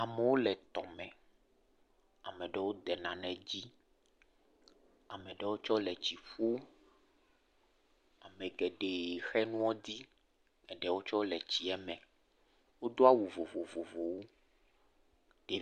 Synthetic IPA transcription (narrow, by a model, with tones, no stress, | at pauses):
a˨mɛ˨wo˦lɛ˨t̪ɔ˨mɛ̃˨ | a˨mɛ̃˨ɖɛ˨wo˦d̪ɛ˨nã˨nɛ̃˨d͡ʑi˦ | a˨mɛ̃˨ɖɛ˨wo˦t͡ʃɔ˦lɛ˨t͡ɕi˨ɸu˦ | a˨mɛ̃˨ɡɛ˨ɖe˨xɛ˦nũ˦ɔ˦d̪i˦ | ɛ˨ɖɛ˨wo˦t͡ʃɔ˦lɛ˨t͡ɕi˨ɛ˦mɛ̃˨ | wo˦d̪o˦a˦wu˨vo˨vo˨vo˨vo˨wo˦ | d̪̥e˨